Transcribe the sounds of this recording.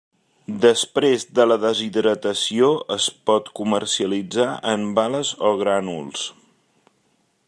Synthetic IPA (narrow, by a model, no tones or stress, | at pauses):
d̪əspɾezd̪ələðəziðɾət̪əsioəspɔt̪kumərsiəlid͡zaʔəmbaləzoɣɾanulˠs